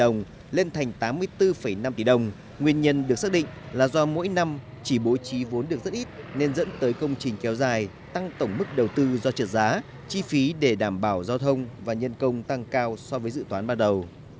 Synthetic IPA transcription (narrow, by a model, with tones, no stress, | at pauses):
ə˨˩wŋ͡m | le˧nt̪ʰa˨˩jŋ̟t̪aː˨˦mːɨ˧əjt̪ɨ˧fə˧˩jna˧mt̪i˧˩ɗə˨˩wŋ͡m | ŋwi˧ənɲə˧nɗɨ˨˩ək̚sa˦˥k̚ɗḭ˧˨ŋ̟laː˨˩zɔ˧mo̰˧˥jna˧m | t͡ɕi˧˩ɓo˨˦jt͡ɕi˨˦vu˨˦ənɗɨ˨˩ək̚z̥t̚ʔi˦˥t̚ne˧nzə̰˧˥nt̪əː˨˦jkə˧wŋ͡mt͡ɕï˨˩ŋ̟kɛ˨˦wzaː˨˩j | t̪a˧ŋt̪ə˧˩wŋ͡mmɨ˦˥k̚ɗə˨˩wt̪ɨ˧zɔ˧t͡ɕə˨˩t̚zaː˨˦ | t͡ɕi˧fi˨˦ɗe˧˩ɗaː˧˩mɓaː˧˩wzaː˧wt̪ʰə˧wŋ͡mvaː˨˩ɲə˧nkə˧wŋ͡mt̪a˧ŋkaː˧wsɔ˧vəː˨˦jsɨ̰˧˨t̪waː˨˦nɓaː˧nɗə˨˩w